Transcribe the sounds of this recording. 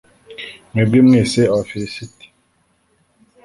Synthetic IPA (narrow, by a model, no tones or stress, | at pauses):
ŋebemŋeseɔfisiti̥